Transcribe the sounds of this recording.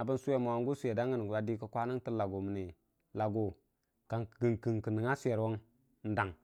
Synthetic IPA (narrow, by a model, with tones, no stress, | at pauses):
a˨bə˦nsu˦e˦ma˨wa˨ŋ˦ɡu˦su˦e˨da˦ŋɡə˦n˨a˨di˦kə˦kʷa˦ni˦ŋti˦la˨ɡo˨mə˨ne˨ | la˨ɡo˨ | ka˨ŋ˨ɡi˨ŋki˨ŋkə˨nə˨ŋa˦su˦e˨ɾwo˦ŋ | n̩˦da˨ŋ